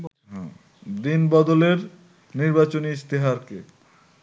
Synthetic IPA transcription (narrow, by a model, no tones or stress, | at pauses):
ɦɛ̰̃ | d̪inbɔd̪oleɾ | niɾbat͡ɕoniist̪iɦaɾke